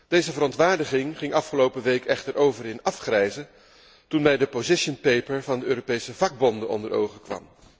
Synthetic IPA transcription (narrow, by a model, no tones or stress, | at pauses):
d̥ejzəvəɾɔntʋaːɹdəχɪŋχɪŋɑfχəlowpəʋejkʰɛχtəɹʔowvərɪnɑfχrɛjzə | tunmɛjdəpozɪʃənpejpəɹvɑndəøːɾopejsəvɑɡ̚bɔndəɔ̰ndəɹo̰wχəkʋɑ̰m